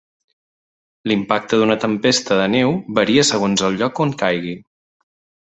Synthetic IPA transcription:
limpak̚t̪əðunət̪əmpest̪əðənewβəɾiəsəɣ̞onzəlˠʎɔkoŋkajɣi

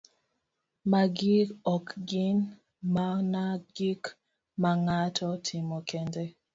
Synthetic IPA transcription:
maɡikɔkɡin | manaɡik | maŋatʰɔtʰɪmɔkɛndɛ

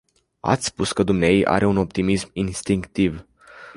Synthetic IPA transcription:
a̰t̪sʲspuskəd̪umneajejʔa̰ɾʔe̞uno̞p̚t̪imisminst̪iŋkt̪iv

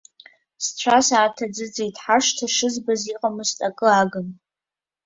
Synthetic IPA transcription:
st͡ɕʷʰasaːtʰad͡zɨd͡zejtʰʼħaʂtʰaʂɨzbaziqʼamɨstʼakʼɨaɡɨn

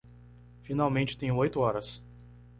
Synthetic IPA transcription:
finawmẽnt͡ʃɪ̥t̪ẽj̃ʊ̃ojt̪ʊɔɾɐs

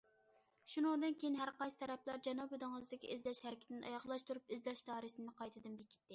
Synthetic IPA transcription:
ʃunɨŋd̪ɨnkʲʰejinɦæɾqɑjsɨ̥t̪ʰɛɾɛplɑɾd͡ʒɛnɑbød̪ɨŋɨzɨd̪ɪkʲʰḭʔizdlɛʃhæɾkʲɪt̪ɪnʔɑ̰jɑʁlˠɑʃt̪ʰuɾupɪzdlɑʃd̪ɑːɾsɨnɨqʰɑjt̪ʰɨd̪ɨmbekʲʰi̥t̪ːɪ

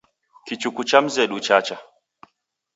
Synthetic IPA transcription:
kit͡ʃukut͡ʃam̩zɛɗut͡ʃat͡ʃa

